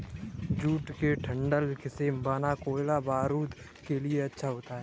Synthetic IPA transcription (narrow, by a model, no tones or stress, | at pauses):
d͡ʒuːʈkeʈʰɐ̃ɳɖəlkɪseːmbaːnakoːɪlabaːɾuːd̪ | kelieɐtːʃʰaɦoːt̪aɦɛː